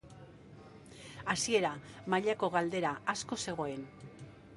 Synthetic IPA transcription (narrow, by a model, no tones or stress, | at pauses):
asie̞ɾamaʎako̞ɣald̪e̞ɾaasko̞se̞ɣ̞o̞e̞n